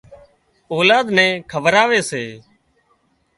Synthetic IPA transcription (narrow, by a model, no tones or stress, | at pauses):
oːlaːd̪nɛ̃ːkʰəʋɾaːʋeːseː